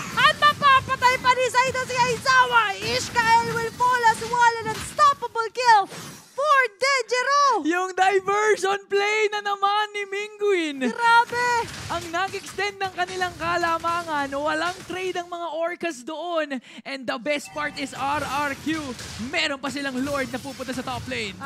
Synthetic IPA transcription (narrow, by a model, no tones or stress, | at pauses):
ʔɐt̪̚mɐpapɐt̪ajpɐnisɐɪt̪osiɐjsaːwɐʔɪskaɛlwɪlfolɐswalɐnɐŋst̪apɐbolkɪlfoɹd̪ɛd͡ʒɛɾojʊŋd̪ɐjvɛɹʃonplejnɐnɐmanːɪmiŋɡʊɪnɾaːbɛʔɐŋnɐɡʔɛkst̪ɛnd̪̚nɐŋkɐnɪlaŋkɐlamaːŋɐnowɐlaŋt̪ɾejd̪ɐŋmɐŋaʔoɹkɐsd̪oʔo̞n | ʔɛnd̪ɐbɛst̪̚paɹt̪ɪsaɾaɹkjumɛɾo̞npɐs̬ɪlaŋloɹd̪̚nɐpuːpʊnt̪asɐt̪oplɛjn